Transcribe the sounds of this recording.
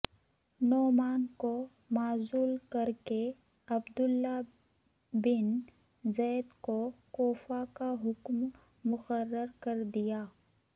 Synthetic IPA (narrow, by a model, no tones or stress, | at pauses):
nɔːmaːnko | maːzuːlkɐɾke | ɐbd̪ʊlːa | bɪn | zɛːd̪kokoːfakaɦʊkmː | ʊqəɾːəɾkɐɾd̪ijaː